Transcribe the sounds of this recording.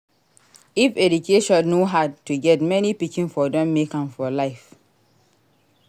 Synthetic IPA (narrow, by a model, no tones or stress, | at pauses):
ifɛdukʰeʃɔ̃nːoɦatːuɡɛtmɛnipikĩnfɔdɛ̃mːekãmfɔlaɪf